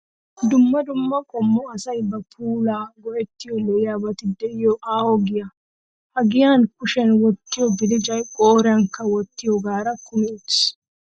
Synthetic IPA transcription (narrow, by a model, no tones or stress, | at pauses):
d̪ʊmːɐd̪ʊmːɐkʼɔmːɔɐsɐjbɐpʰuːlaːɡɔʔɛt̪ːɪjɔlɔʔɪjaːbɐt̪ɪd̪ɛʔɪjɔʔaːwɔɡɪjɐ | hɐɡɪjaːnkʊʃɛnwɔt̪ːɪjɔbɪd̪ɪd͡ʒɐjkʼoːɾɛɐŋkːɐwɔt̪ːɪjɔɡaːɾɐkʊmɛɛt̪s